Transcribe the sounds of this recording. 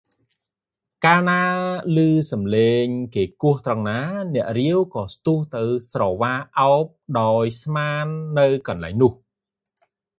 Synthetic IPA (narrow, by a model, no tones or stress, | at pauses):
kaːlnaːlɨːsɑmleːŋkeːkʊ̆əht̪rɑŋnaːnɛ̆əʔriəwkɑːst̪uəht̪ɨwsrɑːʋaːʔaɔp̚ɗaɔjsmaːnːɨwkɑnlaɛŋnʊ̆əh